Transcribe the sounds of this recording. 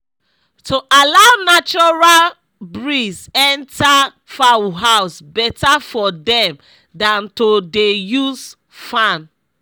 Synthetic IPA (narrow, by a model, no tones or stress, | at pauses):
tʰoʔalaʊnat͡ʃɔɹal | bɹizɛ̃ntʰa | fawɦaʊsbɛtafɔdɛ̃m | dãntodejuz | fãn